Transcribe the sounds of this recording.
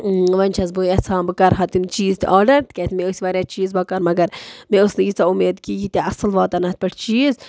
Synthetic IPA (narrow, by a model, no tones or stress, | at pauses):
ʋɐnʲt͡ʃʰɐzboːjɐt͡sʰãːnbɨkɐɾɦɐt̪imt͡ʃiːzt̪ʔaːɾɖɐɾt̪kʲɐt̪meosʲiʋaːɾʲjat͡ʃiːzbɐkɐɾmɐɡɐɾmẽʊsnɨɡit͡sɐumeːd̪kiːɡit̪ʲaʔɐsɨlʋaːt̪ɐnɐt̪̚pɐʈʰt͡ʃiːz